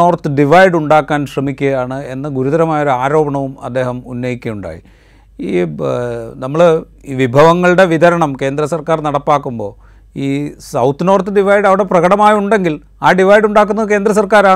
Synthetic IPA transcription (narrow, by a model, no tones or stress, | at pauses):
oːrt̪ɨɖiʋɐjɖuɳɖaːkːaːnɕrɐmikʲːɐjaːɳɨe̞nːɐɡuɾuðɐɾɐmaːjo̞ɾuaːɾo̞ːbɐɳɐʋumɐ̰d̪ːe̞ːɦɐmunːɐjikʲːɐjuɳɖa̰ːjḭ | iː | nɐmːɐɭ | iːʋibʱɐʋɐŋːɐɭɨɽe̞ʋid̪ɐɾɐɳɐmke̞ːnd̪ɾɐsɐrkaːrnɐɽɐpːaːkːumbo̞ː | iːsɐwt̪ːɨno̞ːrt̪ːɨɖiʋɐjɖɐʋiɽe̞prɐɣɐɽɐmaːjuɳɖe̞ŋɡil | aːɖiʋɐjɖuɳɖaːk̬ːunːɐðɨk̬e̞ːnd̪ɾɐs̬ɐrkaːɾaːɳ